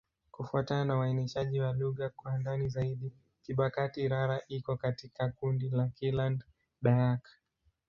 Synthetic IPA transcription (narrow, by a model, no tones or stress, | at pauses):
kufuatananawaɛniʃaʄiwaluɣakwandanizaiɗi | kiɓakatiːɾaɾaʔikɔkatikakundilakiland | ɗaakḁ